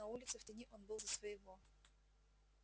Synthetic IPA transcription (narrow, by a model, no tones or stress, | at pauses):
ɐulʲɪt̪sɨftʲɪnʲiʔonbɨlˠzəsvəjɪvo